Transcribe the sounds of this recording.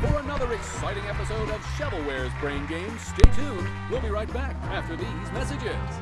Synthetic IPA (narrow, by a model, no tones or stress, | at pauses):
fə˞ənʌðə˞ɨksaɪɾɪ̃ŋɛpəsoʊɾʌv̥ʃæɾl̩ˠwɛɹzbɹẽɪ̃nɡẽɪ̃msteɪtʰʉ̃n | wɪlˠbiɹaɪt̚b̥æk | æftə˞ðizmɛsɨd͡ʒɪz̥